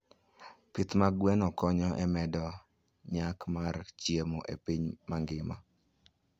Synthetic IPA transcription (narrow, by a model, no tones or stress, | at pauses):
pit̪maɡwɛnɔkɔɲɔʔɛmɛdɔ | ɲakmart͡ʃjemoʔḛpiɲmaŋɡɪma̰